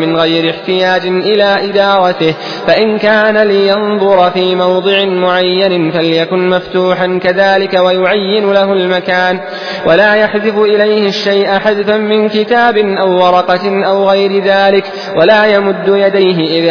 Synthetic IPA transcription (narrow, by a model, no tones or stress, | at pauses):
mɪnɣajɾɪħt̪ɪjaːd͡ʒɪnʔɪlaːʔɪd̪ɑːɾˤɑt̪ɪh | faʔɪnkaːnalɪjɑnðˤʊɾfiːmɑwd̪ˤɨʕɪnmʊʕajːanɪfaljakʊnmaft̪uːħankaðaːlɪkawajʊʕajːɪnʊlaɦʊlmakaːn | wʔalaːjaħzɪfʊʔɪlajhɪʃːajʔaħaðfamɪnkɪt̪aːbɪnʔawːɑɾˤɑqɑʔawɣajɾɪðaːlɪk | walaːjamʊd̪ːʊjad̪ajɦɪʔɪða